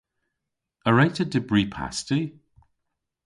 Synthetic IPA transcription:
əɹajtʰədɪbɹiːpʰa̰sti

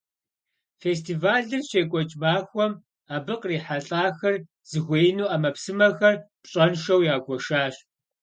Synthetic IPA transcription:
feːs̬tʰiːvaːɮɨrʃeːkʷʼɔt͡ʃʼmaːxʷɔm | aːbɨqʼriːħaɬʼaːxɐr | z̥ɨɣʷeːjnuːaːmɐpsɨmɐxɐrpɕʼɐnʃɐwjaːɡʷɔʃaːɕ

